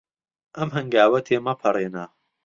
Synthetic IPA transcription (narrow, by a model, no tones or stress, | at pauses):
ʔɐmɦɐŋɡaːwɐt̪ʰeːmɐpʰɐreːnɐ